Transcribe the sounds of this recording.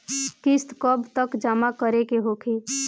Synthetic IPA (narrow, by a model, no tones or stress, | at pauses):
kɪst̪kəbt̪əkd͡ʒaːmakəɾekeɦoːkʰiː